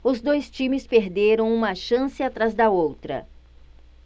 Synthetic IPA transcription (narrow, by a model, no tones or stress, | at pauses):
ʊzd̪ojst͡ʃĩmɪspeɾd̪eɾɐ̃w̃ũmɐʃɐ̃sɪat̪ɾazd̪ɐowt̪ɾɐ̰